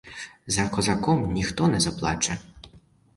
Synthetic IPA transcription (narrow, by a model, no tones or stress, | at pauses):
zɐkɔzɐkɔmnʲixt̪ɔnɛzɐplˠɑ̰t͡ʃɐ